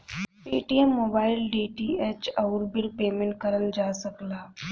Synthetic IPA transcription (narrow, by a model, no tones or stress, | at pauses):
piːʈiemːoːbaːɪlɖiːʈieːt͡ʃɐʊɾbɪlpeːmẽɳʈ̚kəɾəld͡ʒaːsəklaː